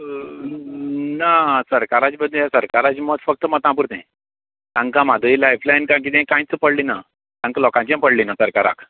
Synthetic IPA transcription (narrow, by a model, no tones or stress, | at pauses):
nasəɾkaɾat͡ɕibəd̪asəɾkaɾat͡ɕimət̪fək̚t̪əmət̪ãp̬uɾt̪ḛ̃ | t̪ãŋkãmad̪ʱəilajflajnkãk̬it̪ẽkãĩt͡səpəɽlina | t̪ãŋkalɔkãɲt͡ɕiãpəɽlinasəɾkaɾa̰kʰ